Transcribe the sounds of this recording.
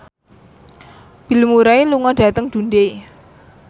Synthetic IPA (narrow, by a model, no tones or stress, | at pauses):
b̥i̤lmuɾaeluŋɔd̥ä̤t̪əŋd̪̥ṳnde